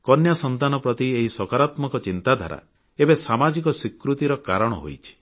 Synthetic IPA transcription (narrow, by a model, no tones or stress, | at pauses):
kɔnjasɔnt̪anɔpɾɔt̪ieɦisɔkaɾat̪mɔkɔt͡ʃint̪ad̪ʱa̰ɾa̰ | ebesamad͡ʒikɔsikɾut̪iɾɔkaɾɔɽ̃ɔ̰ɦo̰jt͡ʃʰi̥